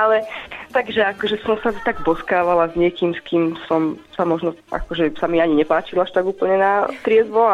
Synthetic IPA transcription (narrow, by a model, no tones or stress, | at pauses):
alɛt̪aɡʒɛakɔʒɛsɔmsat̪aɡ̚bɔskaːʋalazɲɪɛkiːmskiːmsɔmsamɔʒnɔʔa̰kɔʒɛsamiaɲiɲɛpaːt͡ʃilaʃt̪aɡuːpl̩ɲɛnat̪ɾɪɛzʋɔ